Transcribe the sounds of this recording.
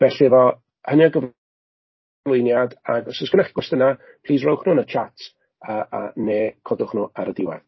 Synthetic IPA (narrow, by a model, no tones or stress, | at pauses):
b̥ɛɬɪvɔ | hənjaɡəv | lˠʊjnjadaɡɔsɔsɡ̥ənaχiɡwɛstəna | pʰl̥ˠiːsrowχnuːnət͡ʃʰatʰ | əːa̰neːkʰɔdʊχnuaɾədɪwɛ̰ð